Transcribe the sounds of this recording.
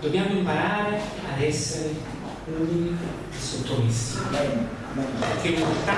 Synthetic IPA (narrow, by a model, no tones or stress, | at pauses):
d̪objamoĩmpaɾaːɾe | ad̪ɛseɾe | uɲi | sot̪omist̪i | ekemot̪a